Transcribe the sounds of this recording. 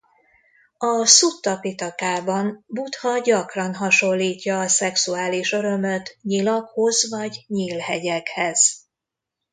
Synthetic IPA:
ɒsut̪ːɒpit̪ɒkaːbɒnbut̪hɒɟɒkrɒnɦɒʃo̞lːiːcːɒːsɛksuaːliʃø̞ɾø̞møt̪ɲilɒkho̞zvɒɟɲiːlhɛɟɛkhɛz̥

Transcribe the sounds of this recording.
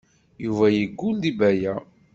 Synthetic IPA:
juvæjəɡːund̪ibæjæ

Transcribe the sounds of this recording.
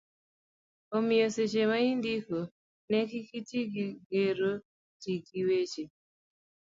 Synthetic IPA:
omioset͡ʃemaindiko | nɛkikitiɡiɡeɾo | tiɡiwet͡ʃe

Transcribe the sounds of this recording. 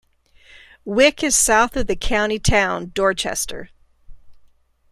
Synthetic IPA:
wɪkɨz̥saʊθʌvðɨkʰãʊ̃ɾ̃itʰãʊ̃ndɔɹt͡ʃɛ̰stə̰˞

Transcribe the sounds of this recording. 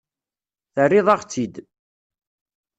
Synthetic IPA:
θərːɪðˤɑʁt͡sːid̪

